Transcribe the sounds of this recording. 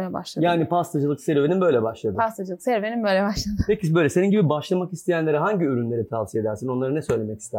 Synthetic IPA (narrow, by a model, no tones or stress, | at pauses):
lʲɛba̰lˠajaːnipʰast̪ʰad͡ʒɯlˠɯkseɾvenimbø̞jlʲɛbaʃlˠad̪ɯast̪ʰad͡ʒɯlˠɯksæɾveninbøjlʲɛbaʃlˠad̪ɯpʰecʰibø̞jlʲɛseninɟibibaʃlˠamakist̪ʰejænlʲe̞ɾiɦaɲɟiyɾynlʲe̞ɾit̪ʰavsijed̪æɾsino̞nlˠaɾɯnɛsø̞jlʲe̞mɛci̥st̪ʰæ